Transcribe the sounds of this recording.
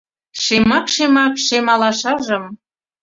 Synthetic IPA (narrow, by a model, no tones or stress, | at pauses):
ʃemɑkʃemɑkʃemɑlɑʃɑʒə̆m